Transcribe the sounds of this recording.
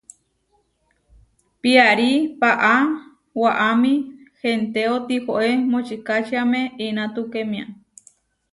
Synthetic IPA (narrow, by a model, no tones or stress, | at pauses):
piaɾipaʔa | waʔamĩhent̪eot̪ihoʔemot͡ʃikat͡ʃiamẽinãt̪ukemĩã